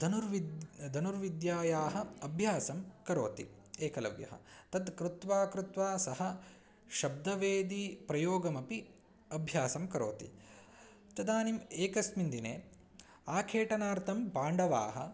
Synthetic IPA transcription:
d̪ɐnuɾʋid̪d̪ʱɐnuɾʋid̪jaːjaːɦɐ̆ɐbʱjaːsɐmkɐɾoːt̪ḭ | eːkɐlɐ̰ʋjɐ̰ɦɐ̰t̪ɐd̪kɾut̪ʋaːkɾut̪ʋaːsɐɦɐ | ʃɐb̚d̪ɐʋeːd̪ipɾɐjoːɡɐmɐpi | ɐbʱjaːsɐmkɐɾo̰ːt̪ḭ | t̪ɐd̪aːnimeːkɐsmind̪ineː | aːkʰeːʈɐnaːɾt̪ʰɐmpaːɳɖɐʋa̰ːɦɐ̰̆

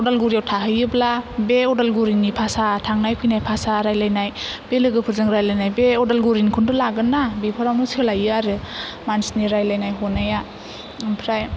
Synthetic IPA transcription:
ɔdalɡuɾijawtʰaɦɯjɯblabeɔdalɡuɾinːipʰasatʰaŋnajpʰɯjnajpʰasaɾajlajnajb̥elɯɡɯpʰɯɾzɯŋɾajlajnajbeɔdalɡuɾinkʰundɯlaɡɯnːabipʰɯɾawnɯslajɯaɾɯmansniɾajlajnajɦɔnaja | mpʰɾaj

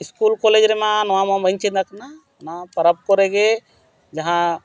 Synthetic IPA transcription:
iskulkɔled͡ʒɾɛmanɔwamabəɲt͡ʃid̪akna | napɐɾəp̚kɔɾɛɡe | d͡ʒaɦã

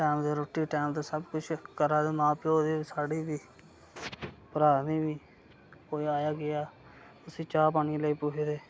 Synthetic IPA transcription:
ʈɛːmd̪eːɾoːʈːiːʈɛːmt̪eːsəbkʊt͡ʃʰkəɾaːd̪eːmãːpːoːd̪eːsaːɖiːbiː | pəɾaːniːbiː | koːiaːjaːɡɪjaː | ʊsĩːt͡ʃaːp̬aːniːləiːpʊːɦeːd̪eː

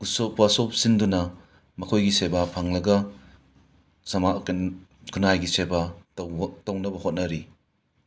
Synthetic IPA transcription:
ɡusopːasop̚sindunɐ | mɐkʰojɡisebapʰaŋlɐɡɐ | sɐmakkʰunajɡiseba | townɐbɐhot̚nɐɾi

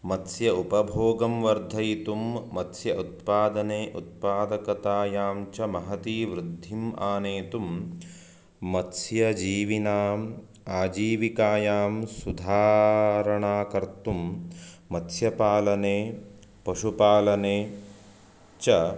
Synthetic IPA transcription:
mɐt̪sjɐupɐbʱoːɡɐmʋɐɾd̪ʱɐjit̪umːɐt̪sjɐʔut̪̚paːd̪ɐneːʔut̪̚paːd̪ɐkɐt̪aːjaːmt͡ʃɐmɐɦɐt̪iːʋɾud̪ʱːimaːneːt̪um | ɐt̪sjɐd͡ʒiːʋinaːm | aːd͡ʒiːʋikaːjaːmsud̪ʱaːɾɐɳaːkɐɾt̪umː | ɐt̪sjɐpaːlɐneː | pɐʃupaːlɐneː | t͡ʃɐ

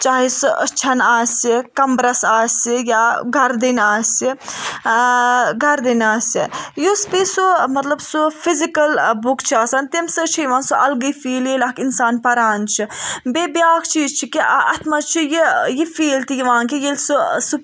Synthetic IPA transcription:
t͡ʃaːɦisɨʔə̰t͡ʃʰɐnaːsikɐmbɾɐsaːsijaɡʱɐɾd̪inaːsi | ɡʱɐɾd̪inaːsḭjuspisumɐt̪lɐbsufʰizikɐlbukt͡ʃʰiaːsant̪emsɨt͡ʃʰijiʋãːnsuʔɐlɡəfiːlelakinsaːnpɐɾaːnt͡ʃʰibebjaːkʰt͡ʃʰiːzt͡ʃʰikiɐt̪ʰmɐt͡ʃʰijijifiːlt̪ijiʋãːkijelsusu

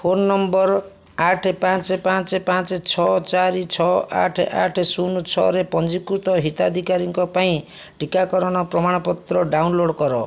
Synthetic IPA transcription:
fʰonːɔmbɔɾ | aʈʰepãt͡ʃepãt͡ʃepãt͡ʃet͡ʃʰɔt͡ʃaɾit͡ʃʰɔʔa̰ʈʰʔaʈʰsunut͡ʃʰɔ̰ɾepɔnd͡ʒikuɾt̪ɔɦit̪ad̪ʱikaɾiŋkɔpaĩ | ʈikakɔɾɔɽ̃ɔpɾɔmaɽ̃ɔpɔt̪ɾɔɖawnloɽkɔɾɔ̰

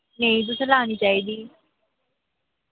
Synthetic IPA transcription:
nɛĩt̪̬ʊsẽlaːniːt͡ʃaːiːd̪iː

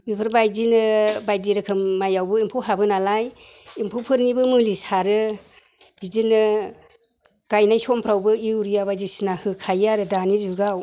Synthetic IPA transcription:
bipʰɯɾbajdinɯbajdiɾɯkʰɯmːajawbɯimpʰuwɦabɯnalajimpʰɯwpʰɯɾnibɯmɯlisaɾɯ | b̥idinɯ | ɡ̥ajnajsɔmpʰɾawbɯiuɾijabajzisnahɯkʰajaɾɯdanizuɡaw

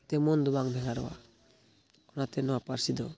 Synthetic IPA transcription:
t̪ɛmɔnd̪ubaŋbʱɛŋaɾɔwa̰ | ɔnat̪ɛnɔwapaɾsid̪ɔ

